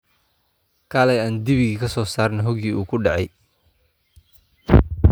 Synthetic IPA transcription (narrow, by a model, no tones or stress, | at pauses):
kʰaːlɛjaːnd̪ɪβɪɣikʰɐsɔːsaːrnɐɦɔɣiːʔuːkʰʊɖɑʕɛj